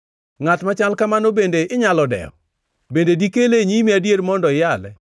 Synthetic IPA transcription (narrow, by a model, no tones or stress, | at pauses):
ŋatmat͡ʃalkamanobendeɪɲalɔdɛ̰ɔ̰ | bendedikeleɲimiadjeɾmɔndɔɪjalɛ